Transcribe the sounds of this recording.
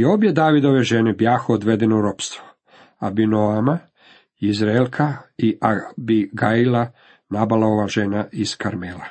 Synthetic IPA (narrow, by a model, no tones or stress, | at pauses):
io̞bjed̪aːʋid̪o̞ʋe̞ʒenebjaːxood̪ʋed̪enoɾo̞pst̪ʋo | abinoama | izɾelkʰaiʔabiɡaila | nabalao̞ʋaːʒenaiskaɾmeːla